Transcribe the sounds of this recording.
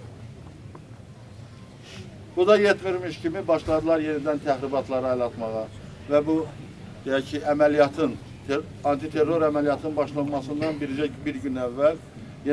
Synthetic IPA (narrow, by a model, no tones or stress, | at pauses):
b̥ud̪ɑjet̪miɾmiʃcʰimibɑʃlˠɑd̪ɯlˠɑɾje̞nid̪ænt̪ʰæxɾibɑt̪ʰlˠɑɾɑɑjlˠɑt̪mɑʁɑ | væbu | d̪̥ejæcʰiʔæmælijɑt̪ʰɯn | ɑnt̪ʰit̪ʰe̞rːo̞ɾæmælijɑt̪ʰɯnbɑʃlˠɑnmɑsɯnd̪ɑnbiɾid͡ʒæbiɾɟynævːæl | j